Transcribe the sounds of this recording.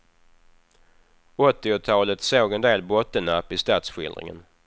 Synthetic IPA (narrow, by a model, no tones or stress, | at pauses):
ɔt̪ːɪʊt̪ʰɑːlət̪soːɡɛnd̪eːlbɔt̪ːənapːɪst̪ɑːt̪sɧɪ̰ld̪ɾɪ̰ŋə̰n